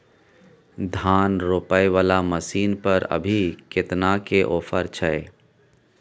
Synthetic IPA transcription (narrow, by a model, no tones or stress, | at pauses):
d̪ʱaːnɾoːpaːeʋaːlaməsiːnpəɾə̰bʱikɪt̪nakeʔoːpʰəɾt͡ʃʰəe